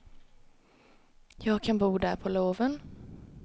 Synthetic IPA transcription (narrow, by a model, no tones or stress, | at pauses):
jɑːɡkʰanbuːd̪æɾpʰɔloːvən